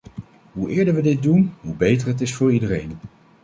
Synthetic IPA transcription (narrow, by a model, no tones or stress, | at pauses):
ɦuʔɪːɹdəɹʋədɪt̚dunɦubejtəɹɦət̬ɪsfʊːɹidəɾejn